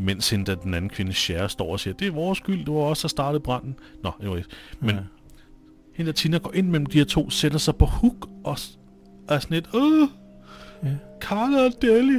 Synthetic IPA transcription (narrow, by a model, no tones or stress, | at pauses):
men̰she̝nəd̥æd̥enæn̩kʰʋe̝nəɕæɐsd̥ɒ̰ːɒsiːɐd̥e̝æɐʋɒːsɡ̥yl̰d̥e̝ʋɑɒ̽sæsd̥ɑ̈ːd̥ð̩ˠb̥ʁɑ̈n̰n̩nɒ̽ee̥men | he̝nd̥æɐt͡sʰinɐɡ̥ɒ̰ːʔe̝n̰mel̰m̩d̥ihe̝ɐt͡sʰo̝̰ːsed̥ɐsɑ̈ɪpʰɒ̽huɡ̥ʔɒ | æɐsɒne̝d̥o | kʰɑːləd̥eli